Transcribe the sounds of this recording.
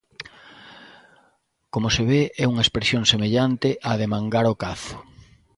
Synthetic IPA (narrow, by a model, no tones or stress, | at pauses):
komoseβeʔɛuŋɐespeɾsjoŋsemeʎant̪ɪʔaðemãŋɡaɾokaθʊ̥